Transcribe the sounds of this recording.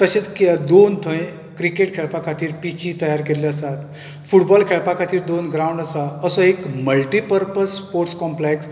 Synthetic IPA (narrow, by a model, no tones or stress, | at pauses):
t̪əɕet͡skiəd̪ont̪ʰə̃j̃ | kɾikeʈkʰeɭpakʰat̪iːɾpit͡ɕit̪əjaɾkeliəsat̪ | fuʈbɔlkʰeɭpakʰat̪iːɾd̪onɡɾauɳɖəsaəsɔekməlʈipəɾpəspoɾʈskɔ̃mpleks